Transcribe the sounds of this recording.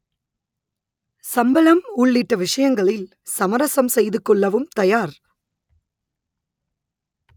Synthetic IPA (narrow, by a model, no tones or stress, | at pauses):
sɐmbɐlɐmʊɭːɪʈːɐʋɪʂɐjɐŋɡɐɭɪl | sɐmɐɾɐsɐmsɛjðɯkːɔɭːɐʋɯmt̪ɐjaːɾ